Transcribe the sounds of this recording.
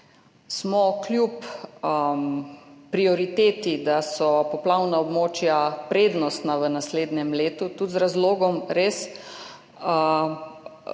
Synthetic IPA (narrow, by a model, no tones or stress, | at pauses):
smɔklʲjup | pɾiɔɾit̪eːt̪id̪asɔpɔplawnaɔbmoːt͡ʃjapɾeːd̪nɔst̪naʋənasleːd̪njɛmleːt̪ut̪ut̪zɾazloːɡɔmɾeːs